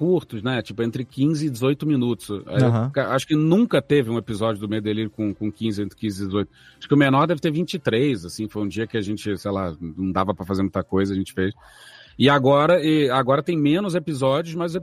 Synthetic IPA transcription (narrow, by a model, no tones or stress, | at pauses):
kuɾt̪ʊsnɛt͡ʃipʊẽnt̪ɾɪkĩzɪːd͡ʒɪzojt̪ʊmĩnut̪ʊ̥sa̰ikaaʃʊ̥kɪnũkɐt̪evɪũepizɔd͡ʒʊd̪ʊmejd̪eliɾʊkõkõkĩzɪẽnt̪ɾɪkĩzɪd͡ʒɪzojt̪ʊ | aʃʊ̥kɪʊmenɔɾd̪ɛvɪt̪eɾvĩt͡ʃɪt̪ɾejzasĩfojũd͡ʒiɐkɪaʒẽnt͡ʃɪsejlanɐ̃w̃d̪avɐpɾɐfazeɾmũt̪ɐkojzɐaɐʒẽnt͡ʃɪ̥fejs | ɪaɡɔɾɐɛaɡɔɾɐt̪ẽj̃mẽnʊzepizɔd͡ʒiʊsmajzʊze